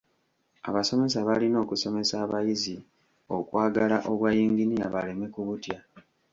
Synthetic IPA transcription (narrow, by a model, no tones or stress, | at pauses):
a̰βaso̞me̞s̬aβalino̞ːkuso̞me̞saːβajizi | o̞kwaːɡalaʔo̞βwajiːŋɡiniaβale̞me̞kuβutja